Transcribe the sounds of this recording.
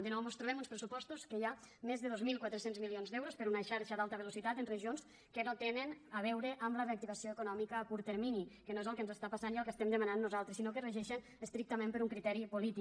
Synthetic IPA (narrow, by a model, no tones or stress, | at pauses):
d̪ənɔwmost̪ɾuβɛmunspɾəsupɔst̪uskəjamezðəðozmilˠkwat̪ɾəsenzmilionzd̪ɛwɾospəɾunaʃaɾʃəd̪alˠt̪əβelusit̪at̪ənrəʒions | kənot̪enənaβ̞ɛwɾəʔəmləreak̚t̪iβasioekunɔmikəːkuɾt̪əɾminikənoezəlˠkənzəst̪apasaniəlˠkəst̪ɛmd̪əmananːuzalˠt̪ɾəsinokərəʒɛʃən | əst̪ɾik̚t̪əmẽmpəɾuŋkɾit̪ɛɾipulit̪i